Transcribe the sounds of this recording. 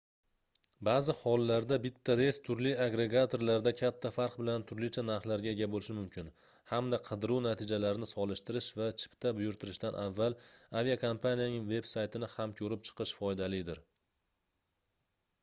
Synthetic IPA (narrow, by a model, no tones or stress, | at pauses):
bazɪhɒlˠːaɾd̪abɪt̪ʰːaɾe̞st̪ʰʊɾlɪaɡɾe̞ɡat̪ʰo̞ɾlaɾd̪akʲʰat̪ʰːafaɾq̚bɪlant̪ʰʊɾlɪt͡ʃʰanaɾχlaɾɡʲae̞ɡʲabolɪʃɪmʊmkʲʰɪn | hamd̪aqʰɨd̪ɾunat̪ʰɪd͡ʒalaɾɪnɪsɒlˠɪʃt̪ɪɾɪʃvat͡ʃʰɪ̥pt̪ʰabʊjʊɾt̪ʰɪɾɪʃt̪anʔavːalavijakʰompʰanijanɪŋve̞bsajt̪ʰɪnɪhamkʲʰɵɾɪp̚t͡ʃʰɨ̥qɨʃfɒjd̪alɪd̪ɪɾ